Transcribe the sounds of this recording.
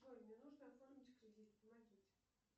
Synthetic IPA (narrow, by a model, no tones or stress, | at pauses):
vodʲnʲənuʐnəɐt̪lˠormʲɪtʲkɾʲɪdʲit̪pəmɐɡʲitʲ